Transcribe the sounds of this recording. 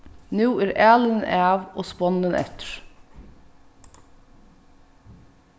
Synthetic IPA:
nʉːæːɾʔæːlənənʔæːʋo̰ːspɔnənʔɛ̰t̪əɹ

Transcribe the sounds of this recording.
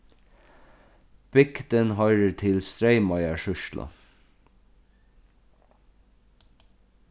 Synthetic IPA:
b̥ɪkd̪ənhɑɪɾətʰɪlst̪ɾeɪmɑɪəʃʉʃlʔɑ̰

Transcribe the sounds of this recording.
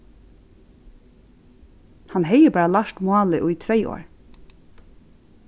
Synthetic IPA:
hanɦɛjəbæːɹalaʃt̪mʊɑːlɪʔʊit̪ʰɾɛɪʔo̰ːɹ

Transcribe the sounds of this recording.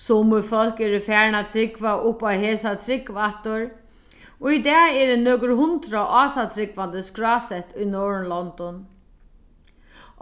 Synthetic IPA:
sʊmʊfɔl̥kɛɾɪfæːɹnat̪ʰɾɪkvaʔʊhpawɦɛːsat̪ʰɾɪkvaht̪ʊɹ | ɔid̪ɛːɛɾɪnøːkʏɾɦʊnt̪ɾaʔaːsat̪ʰɾɪkʋant̪əskɹɑːsɛht̪ʊjnɔːɹnlɔnt̪ɔn

